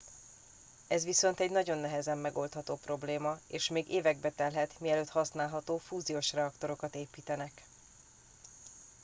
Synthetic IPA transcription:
ɛzʋiso̞n̪t̪ɛɟnɒɟo̞nːɛɦɛzɛmːɛɡo̞lt̪hɒt̪oːpro̞bleːmɒeːʃmeːɡeːvɛɡ̚bɛt̪ɛlɦɛt̪miɛløːt̪hɒsnaːlɦɒt̪oːfuːzijoːʃrɛɒkt̪o̞ɾo̞kɒt̪eːpiːt̪ɛnɛk

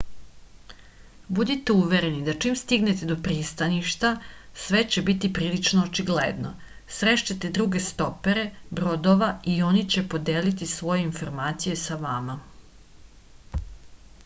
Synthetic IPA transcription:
bud̪it̪euʋeɾe̞nid̪at͡ʂimst̪iɡnet̪ed̪o̞pɾiːst̪aniʃt̪asʋe̞t͡ɕebit̪ipɾiːlit͡ʃnoːt͡ʃiɡlḛd̪no̞̰ | sɾeʃt͡ɕat̪e̞d̪ɾuɡe̞st̪o̞peɾe̞bɾod̪oʋaio̞nit͡ɕepo̞d̪eːlit̪isʋo̞je̞info̞ɾmaːt̪sije̞saʋama

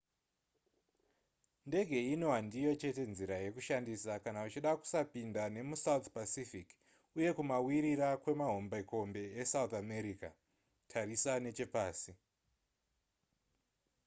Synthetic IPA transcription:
nde̞ɡʱe̞ino̞ɦandijo̞t͡ʃe̞te̞nziɾaje̞kuʃandisakanaut͡ʃiɗaku̥sapindane̞musaut̪pasifik | uje̞kumawiɾiɾakwe̞maɦo̞mbaiko̞mbe̞esaut̪ame̞ɾika | tʰarisane̞t͡ʃe̞paːsi

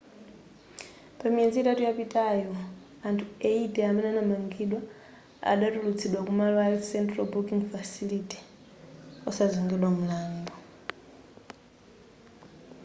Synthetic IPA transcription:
pamiɛnd͡ziitatujapitʰʼajɔ | antʰuɛitʼɛamɛnɛanamaŋɡiɗwa | a̰ɗatulut͡sʰiɗwakumalwasɛntralbukiŋɡfasiliti̥ | ɔsaziŋɡɛɗwamulaːmbɔ

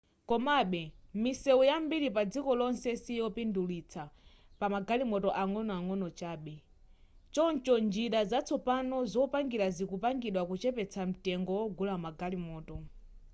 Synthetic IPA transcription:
kɔmaɓɛmisɛujambiɾip̬ad͡zikɔlɔnsɛsijɔpindulit͡sʰa | pamaɡalimɔtɔʔaŋɔnɔaŋɔnɔt͡ʃaːɓɛ | t͡ʃɔnt͡ʃɔnd͡ʒiɾazat͡sʰɔpanɔzɔpaŋɡiɾazikupaŋɡiɗwakut͡ʃɛpɛt͡sʰam̩tɛŋɡɔwɔɡulamaɡalimɔːtɔ

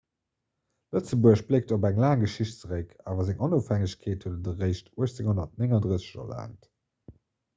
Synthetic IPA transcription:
lət͡səbuəɕblek̚tobæŋlaːŋɡəʃiɕtt͡səʁəkʰaːvɐzɪŋʔonofhæŋəɕkʰeːthuədədəʁəɪɕtuəɕt͡seŋhonɐt̚neŋɑndʁəsə̥ɕɐ̰la̰ːnt

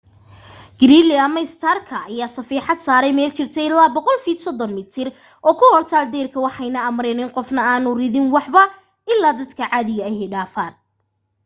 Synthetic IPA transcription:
ɡ̥ɪɾiːlɪɐmɐɪst̪ʰɐrkʰɐːjaːsɐfiːħɑd̪saːɾɛjmɛːlt͡ʃɪrt̪ʰɛjɪlːaːbɔqɔlfiːd̪sɔd̪ɔnmɪt̪ʰɪr | ʔɔːkʰʊhɔrt̪ʰaːld̪ɛːrkʰɐwɑħɑjnɐɐmrɛnɪnqɔfnɐaːnʊrɪðɪnwɑħbɐ | ʔɪlːaːd̪ɐd̪kʰɐʕɑːðɪɣɐɛjhɛɖaːfaːn

